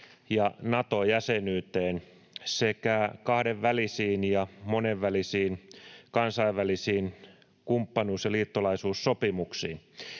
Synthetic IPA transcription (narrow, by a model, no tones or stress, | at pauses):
jɑnɑt̪ojæsenyːt̪eːn | sekækɑhdeʋʋælisiːnjɑmoneʋːælisiːnkɑnsɑiʋʋælisiːn | kumpːɑnuːsjɑliːt̪ːolɑisuːsːopimuksḭːn